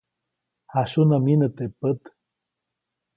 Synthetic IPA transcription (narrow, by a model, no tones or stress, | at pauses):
haʃunaminət̪epət̪